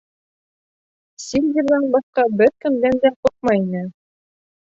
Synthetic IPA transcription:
sʲilʲd̪ʲiɾlˠɑnbɑθqɑbɘɾkɵ̆nd̪ænd̪æq̪oq̪̚mɑjinɘ

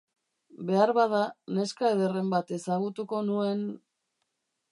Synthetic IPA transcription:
be̞aɾβað̞ane̞skaeðe̞re̞mbat̪e̞saɣut̪uko̞nue̞n

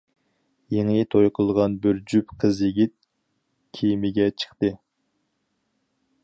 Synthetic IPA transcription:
jeŋit̪ʰojqʰəlˠʁɑnbyɾd͡ʒypqʰəzjeɡʲit̪̚ | kʲʰijmɪɡʲɛt͡ʃʰə̥χt̪ɨ

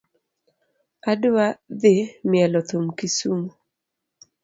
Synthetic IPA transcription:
adwaðɪmjɛlɔt̪umkisumu

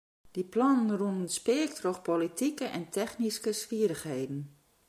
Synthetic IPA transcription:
d̥iplɔnənrunənspɪəktroxpolitʰikəʔɛntʰɛxniskəsfiəɾəxhejdn̩

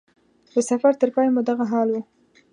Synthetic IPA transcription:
d̪̥əsafaɾt̪əɾpɑjmud̪aɣaɦɑlwu

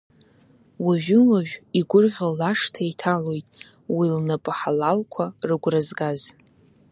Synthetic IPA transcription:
waʒᶣʊwaʒᶣiɡʷʊrʁʲalaʂtʰaitʰalo̞jtʼ | wilnapʼaħalalkʷʰarɨɡʷrazɡaz

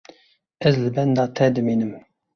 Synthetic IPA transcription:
ɛzlɨbɛnd̪ɑːt̪ʰɛd̪ɨmiːnɨm

